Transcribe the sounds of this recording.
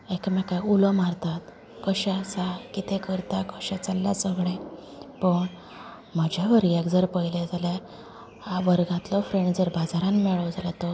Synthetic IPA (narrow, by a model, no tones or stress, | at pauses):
ekmãkajulɔmaɾt̪at̪ | kəɕɛsakit̪ẽkəɾt̪akəɕat͡səlːa̰səɡɭẽ | pəɳ | m̤əd͡ʑʱaʋəɾjɛɡd͡zəɾpəjled͡zala | aʋəɾɡãt̪lɔfɾeɳɖd͡zəɾbad͡zaɾãnmɛɭəwd͡zalat̪ɔ